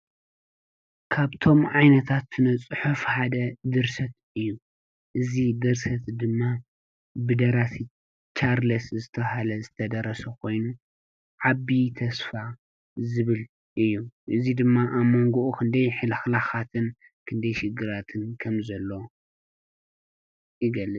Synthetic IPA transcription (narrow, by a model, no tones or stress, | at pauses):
kʰaβt̪ʰo̞mʕajnɐt̪ʰat̪ːnɨt͡sʼɨħufħad̪ɐd̪ɨɾsɐt̪̚ | ɨjːu | ʔɨzid̪ɨɾsɐt̪d̪ɨmːa | bɨd̪ɐɾasi | t͡ʃaɾlɐszɨt̪ʰɐhalɐzɨt̪ʰɐd̪ɐɾɐsɐkʰo̞jnu | ʕabit̪ʰɐsfa | zɨβɨl | ʔɨjːuʔɨzid̪ɨmːaʔamːoŋɡoʔukʰɨnd̪ɐjħɨlɐxlaxat̪ʰɨn | kʰɨnd̪ɐjʃɪɡɨɾat̪ʰɨnkʰɐmzɐlːo̞ | jɪɡɐlːɨt͡sʼ